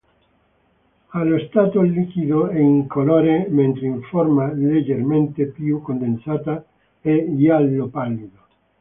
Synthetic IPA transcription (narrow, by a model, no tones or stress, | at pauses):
aloest̪at̪olikiðoeiŋkoloɾemẽnt̪ɾeiɱfoɾmaled͡ʒeɾmẽnt̪epjukond̪ẽnsat̪a | ejalːopaliðo